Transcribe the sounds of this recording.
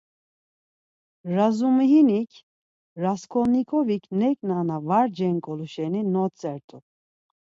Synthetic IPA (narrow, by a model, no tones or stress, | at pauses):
ɾazumiɦinikʰ | ɾaskʰɔnikʰʼɔvikʰnɛkʼnanavaɾd͡ʒɛŋkʼɔluʃɛninɔt͡sʼɛɾt̪ʼu